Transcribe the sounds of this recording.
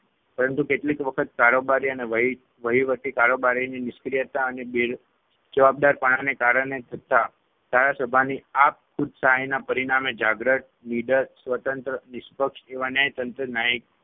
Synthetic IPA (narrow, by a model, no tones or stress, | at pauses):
pəɾənt̪ukeʈlikʋəkʰət̪̚kaɾobaɾiəneʋ | ʋəɦiʋət̪ikaɾobaɾininɪskɾijət̪aənebeɾ | d͡ʒəʋab̚d̪aɾpəɽ̃anekaɾəɳet̪ʰət̪a | d̪ʱaɾasəbʱaniap̚kʰʊd̪saɦajnapəɾiɽ̃amed͡ʒaɡɾəʈ̚niɖəɾsʋət̪ənt̪ɾənɪspəkʂeʋanəjt̪ənt̪ɾənaik̚